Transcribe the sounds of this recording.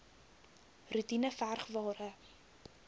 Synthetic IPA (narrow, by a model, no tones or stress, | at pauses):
rutinəfærχvɑːɾə